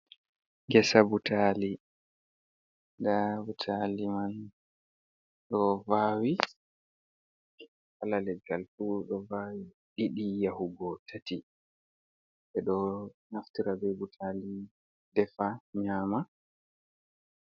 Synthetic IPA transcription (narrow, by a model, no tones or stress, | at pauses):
ŋɡɛsabutʰali | dabutʰaliman | ɗɔvawi | halalɛɡaltuɗɔvawi | ɗiɗijahuɡɔtʰati | ɓɛɗɔnaftiɾabɛbutʰali | dɛfaɲaːma